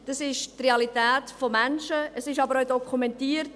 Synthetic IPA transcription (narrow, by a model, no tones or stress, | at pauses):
d̥ɑsɪʃtreɑlitæːtfɔmænʃəʔəsɪʃɑbəɾœʊdɔkʰumɛntiːəɾt